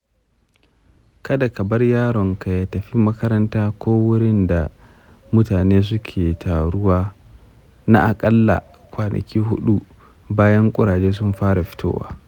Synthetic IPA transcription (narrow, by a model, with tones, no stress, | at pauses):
kɐ˦da˨kɐ˨bɐ˦rjaː˦ɽɔ˨ŋka˨ja˨˦tɐ˨ɸi˦mɐ˦kɐ˦ɾɐ˦ntaː˦kʷoː˦wʊ˦ɽɪ˦nda˨ | mʊ˦taː˨neː˦s̬ʊ˦kʲʰeː˨tʰaː˨ɽʊ˦waː˦ | na˦ʔa˨kʼɐ˦lːa̰˨ | kʷaː˨nʔɐ̰˨kʲiː˦ɦʊ̰˦ɗu˦ | baː˦jɐ˦ŋkʷʼʊ˦ɾaː˨d͡ʒeː˦s̬ʊ˦mɸaː˦ɽa˨ɸɪ̥˦to̰ː˦wa̰ː˨˦